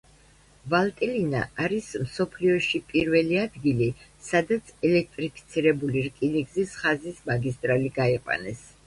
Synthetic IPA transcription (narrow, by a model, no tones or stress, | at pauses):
valˠt̪ʼilina̰aɾismsɔpʰliɔʃipʼiɾvɛliad̪ɡili | sad̪at̪sʰɛlɛk̚ʰt̪ʼɾipʰi̥t̪sʰiɾɛbuliɾkʼiniɡzisχazismaɡist̪ʼɾaliɡaiqʼwa̰nɛs